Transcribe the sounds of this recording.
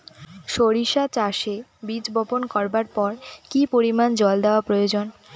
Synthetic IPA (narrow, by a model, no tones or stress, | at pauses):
ʃoɾiʃat͡ɕaʃebid͡ʑbɔponkɔɾbaɾpɔɾkipoɾimand͡ʑɔld̪eoapɾojod͡ʑon